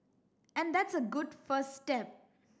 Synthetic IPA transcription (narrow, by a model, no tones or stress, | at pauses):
ɛ̃nd̪æʈsəɡʊɖfəssʈɛp̚